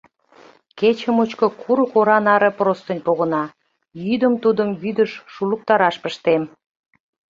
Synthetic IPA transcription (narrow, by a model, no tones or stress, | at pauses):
ket͡ɕəmut͡ɕkŏkʰuɾəkoɾɑnɑɾə̆prost̪ə̆nʲpoɣə̆nɑ | jyd̪əmt̪ud̪əmβyd̪əʃːuluk̚t̪ɑɾɑʃpəʃt̪em